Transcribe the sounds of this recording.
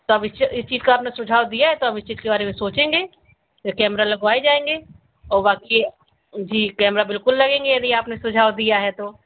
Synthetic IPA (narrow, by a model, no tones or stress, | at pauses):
t̪oɐbɪst͡ʃɪst͡ʃiːzkaaːpnesʊd͡ʒʱaːwd̪ijaɦɛt̪oɐbɪst͡ʃiːzkebaːɾemẽsoːt͡ʃẽːŋɡeː | okɛːmɾalɐɡʋaːed͡ʒaːẽːŋɡeː | ɔːɾbaːki | d͡ʒiːkɛːmɾabɪlkʊlːɐɡẽːŋɡejɐɾiaːpnesʊd͡ʒʱaːwd̪ijaɦɛt̪oː